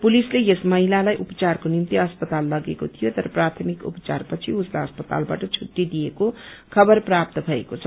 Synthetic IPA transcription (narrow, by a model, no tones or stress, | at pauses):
pulislejesmʌɦilalajʔupt͡sarkonimt̪iʌspʌt̪alːʌɡekot̪ʰijot̪ʌɾʌprat̪ʰəmikṵpt͡sa̰rpʌt͡sʰiuslaʌspʌt̪a̰lba̰ʈʌt͡sʰuʈːid̪ijekokʰʌbʌrprap̚t̪ʌbʱʌekot͡sʰʌ